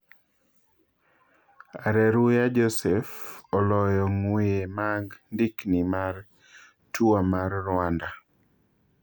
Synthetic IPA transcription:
aɾɛɾujad͡ʒɔsɛfɔlɔjɔŋwemaɡndiknimar | tuamarːʊanda

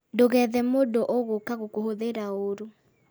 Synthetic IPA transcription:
ndoɣɛðɛmodoʔɔɣokaɣokoɦoðeɾaoɾo

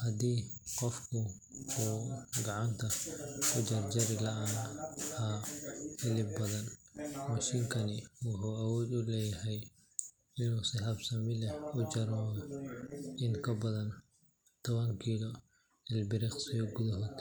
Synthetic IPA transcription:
hɐd̪iːqɔfkʰʊ | uːɡɑʕɑnt̪ʰɐkʰʊd͡ʒɐrd͡ʒɐɾɪlɐʔaːhaːhɪlɪbbɐðɐnmɐʃiːŋkʰɐnɪwʊħuːɐwɔːd̪ʊlɛːjɐɦɛj | ɪnuːsɪhɐbsɐmɪlɛʊd͡ʒɐɾɔ | ɪŋkʰɐbɐðɐn | t̪ʰɔβɐŋkʰiːlɔ | ɪlbɪɾɪχsiɡʊðɐɦɔːd̪

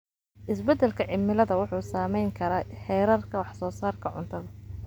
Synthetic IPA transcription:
ʔɪsbɛd̪ɛlkʰɐʕɪmːɪlɐðɐwʊħuːsaːmɛjŋkʰɐɾaːħɛːɾɐrkʰɐwɑħsɔːsaːrkʰɐʕʊ̰nt̪ʰɐðɐ

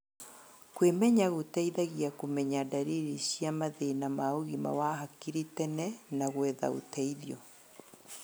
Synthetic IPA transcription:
kwemɛɲaɣotaiðaɣiakomɛɲadaɾiɾiɕiamaðenamaoɣima̰waɦakiɾitɛnɛnaɣwɛða̰o̰tɛiðjɔ

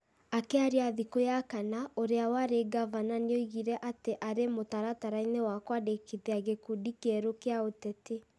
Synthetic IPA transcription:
akɛaɾeaðikojakanaoɾeawaɾeɡavananeoiɣiɾɛʔateʔaɾemotaɾataɾainewakwadekiðiaɣekudikeɾokeaotɛte

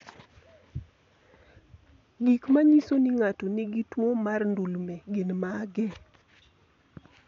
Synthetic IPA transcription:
ɡikmaɲisonɪŋatonɪɡitwomarndulmɛɡɪnmaɡɛ

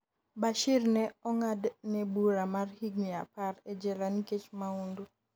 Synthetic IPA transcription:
baʃirnɛɔŋadnɛbuɾamarhiɡɲia̰parɛd͡ʒɛlaniket͡ʃmaundu

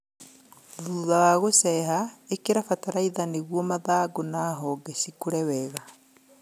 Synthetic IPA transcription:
ðuːðawaɣosɛɦaekeɾafataɾaiðaneɣwɔmaðaːɡonaːɦɔɡɛsikoɾɛwɛːɣa

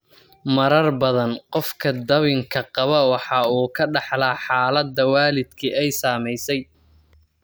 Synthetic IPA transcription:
mɐɾɐrbɐðɐnqɔfkʰɐd̪ɐβɪŋkʰɐqɑβɐwɑħɑːuːkʰɐɖɑħlaːħɑːlɐd̪ːɐwaːlɪd̪kʰiʔɛjsaːmɛjsɛj

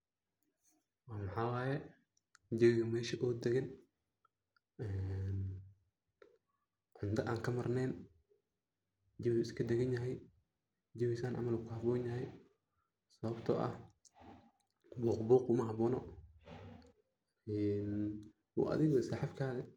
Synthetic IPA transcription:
wɑːmɑħaːwɑːjɛ | d͡ʒɪwɪɣɐmɛːʃɐʔɔːd̪ɛɣɐn | ʔɛːn | ʕʊnd̪ɐʔaːŋkʰɐmɐrnɛːn | d͡ʒɪβʊːɪskʰɐd̪ɛɣɐnjɐɦɛj | d͡ʒɪβɪsaːnʔɐ̰mɐluːkʰɐhɑbɔːnjɐɦɛj | sɐβɐbt̪ʰɔ̰ʔɐ̰h | buːqbuːqʊmɐɦɐβɔːnɔ | ɛːn | wṵːʔɐ̰ðɪɣɔsaħɑfkʰaːðɛ

